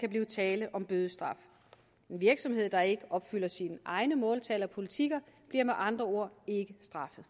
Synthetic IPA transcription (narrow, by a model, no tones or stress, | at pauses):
kʰæb̥liːʊt͡sʰɛːləʔɒ̽mb̥øðˠəsd̥ʁɑ̈f | e̝nʋiɐɡ̥sɒ̽mhe̝ð̞̰ˠd̥ɑ̈e̝ɡ̥əʔɒ̽b̥fyl̰ɐsinəʔɑ̈ɪnəmɔ̽ːlt͡sʰɛlɐpʰo̝lit͡sʰiɡ̥ɐb̥liɐmeʔɑ̈nd̥ʁɐo̝ɐ̰e̝ɡ̥əsd̥ʁɑ̈fəð̩ˠ